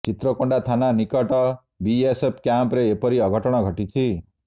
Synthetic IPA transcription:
t͡ʃit̪ɾɔkɔɳɖat̪ʰananikɔʈɔ | biesep̚ʰkjampɾeːpɔɾiɔɡʱɔʈɔɽ̃ɔɡʱɔʈit͡ʃʰi

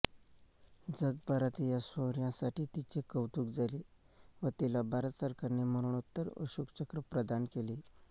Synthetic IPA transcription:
d͡zəɡ̚baɾat̪ijasəɦɾjãsaʈiːt̪it͡ɕekəwʈuːkd͡zaliʋət̪ilabaɾət̪səɾkaɾneməɾuɳut̪ːəɾə̰ɕukt͡ɕəkɾəpɾəd̪ankeli

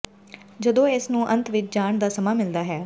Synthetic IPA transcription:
d͡ʒəd̪õːɪsnũːʔə̃nt̪ʋɪt͡ʃd͡ʒaːɳd̪aːsəmaːmɪld̪aːɦɛː

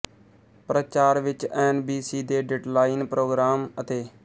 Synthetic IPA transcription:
pɾət͡ʃaːɾʋɪt͡ʃɛːnbiːsiːd̪eːɖeɖlaːinpɾoːɡɾaːmət̪eː

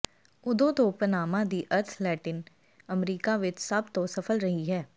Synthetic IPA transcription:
ʊd̪õt̪oːpənaːmad̪iʔəɾt̪ʰlɛːʈɪn | əmɾiːkaʋɪt͡ʃsɐbt̪osɐfʰəlɾɐɦiɦɛː

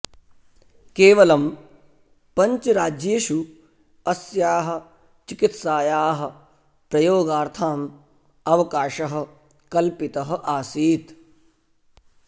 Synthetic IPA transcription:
keːʋɐlɐm | pɐɲt͡ʃɐɾaːd͡ʒjeːʃu | ɐsjaːɦɐ̆ | t͡ʃikit̪saːjaːɦɐ̆ | pɾɐjoːɡaːɾt̪ʰaːm | ɐʋɐkaːʃɐɦɐ̆ | kɐlpit̪ɐɦɐ̆ʔaːsiːt̪

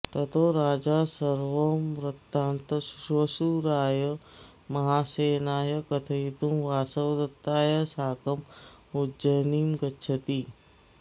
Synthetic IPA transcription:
t̪ɐt̪oːɾaːd͡ʒaːsɐɾʋɐmɾɐt̪ːaːnt̪ɐsuɾʋɐsuɾaːjɐ | mɐɦaːseːnaːjɐkɐt̪ʰɐit̪umʋaːsɐwd̪ɐt̪ːaːjasaːkɐm | ud͡ʒɐniːmɡɐtːt͡ʃʰɐt̪iː

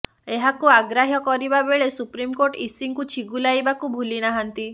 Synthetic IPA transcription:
eɦakuaɡɾaɦjɔkɔɾibabeɭesupɾimkoɾʈisiŋkut͡ʃʰiɡulajbakubʱulinaɦant̪i

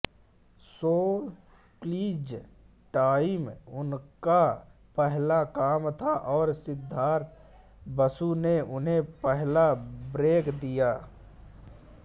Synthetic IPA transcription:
soːl | kliːd͡ʒ | ʈaːɪmʊnka | pɛɦlakaːmt̪ʰaʔɔːɾsɪd̪ʱːaːɾt̪ | bəsuneʔʊnɦẽpɛɦlabɾeːkd̪ijaː

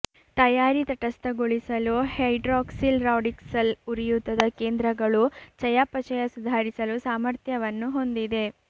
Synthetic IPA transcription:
t̪ɐjaːɾit̪ɐʈɐst̪ɐɡoɭisɐluhɐjɖɾaːksilɾaːɖiksɐluɾijut̪ːɐd̪ɐkeːnd̪ɾɐɡɐɭut͡ʃɐjaːpɐt͡ʃɐjɐsud̪ʱaːɾisɐlusaːmɐɾt̪jɐʋɐnːuɦo̞nd̪id̪e̞

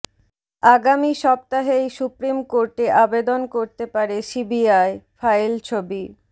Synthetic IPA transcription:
aɡamiʃɔb̚t̪aɦejsupɾimkoɾʈeʔabed̪onkoɾt̪epaɾesibiajfajlt͡ɕʰobi

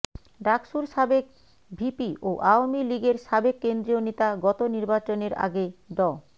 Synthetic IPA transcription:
ɖakʃuɾʃabek̚ | bʱipiʔoʔaomiliɡeɾʃabekːend̪ɾijonet̪aɡɔt̪oniɾbat͡ɕoneɾa̰ɡeɖɔ

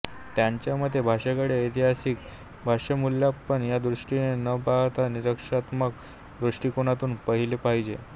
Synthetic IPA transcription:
t̪jaɲt͡ɕjaməd̪ʱːjebʱaʂakəɽeit̪iɦasik̚ | bʱaʂəmulːjapəɳjad̪ɾuʂʈinenəpaɦt̪aniɾəkʂat̪mək | d̪ɾuʂʈiːkoɽ̃at̪uːnpəɦilepaɦid͡ʑḛ

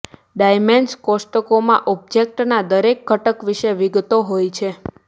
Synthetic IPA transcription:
ɖajmenskosʈəkomãʔɔb̚d͡ʒek̚ʈnad̪əɾekːəʈəkʋiʃeʋiɡt̪oɦojt͡ʃʰe

